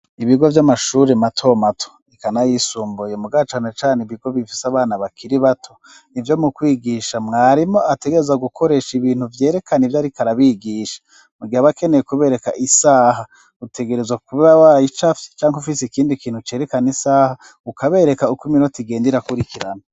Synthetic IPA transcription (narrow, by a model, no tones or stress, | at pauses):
iβiɡo̞vjamaʃuːɾematʰo̞matʰo̥ | ikanajisuːmbojemuɡat͡ʃaːne̞t͡ʃaːneiβiɡo̞βifi̥saβaːnaβakʰiɾiβatʰo̞ | nivjo̞mukwiːɡiʃamŋaːɾimo̞ate̞ɡe̞ɾezaɡukʰo̞ɾe̞ːʃiβiːn̥huvje̞ːɾe̞kʰanivjaɾikaɾaβiːɡiʃḁ | muɡihaβake̞nejekuβe̞ːɾe̞ka̰ʔisaːɦa | ute̞ɡe̞ɾe̞zwakuβawajit͡ʃafi̥t͡ʃaːŋhufiseikiːndikiːnhut͡ʃe̞ːɾe̞kanisaːha | ukaβe̞ːɾe̞kaukuminotiɡe̞ːndiɾakuɾikiɾana